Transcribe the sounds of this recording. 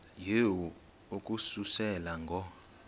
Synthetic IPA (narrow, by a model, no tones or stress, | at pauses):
jewu | ukʼususɛlaŋɡʱɔ